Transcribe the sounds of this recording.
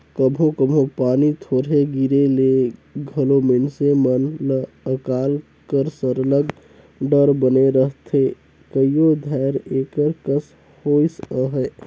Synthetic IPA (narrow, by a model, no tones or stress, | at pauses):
kəbɦõkəmʱɦõpanit̪ʰoɾɦeɡiɾeleɡʱəlominsemənlə | əkal | kəɾsəɾləɡ | ɖəɾbəneɾəɦt̪ʰe | kəijod̪ʱajɾekəɾkəs | hojsəɦə